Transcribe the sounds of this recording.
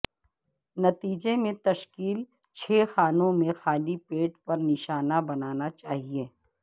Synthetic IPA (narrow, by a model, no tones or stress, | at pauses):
nɐt̪iːd͡ʒemẽt̪ɐʃkiːl | t͡ʃʰeːxaːnõmẽxaːlipeːʈpɐɾnɪʃaːnabɐnaːnat͡ʃaːɦieː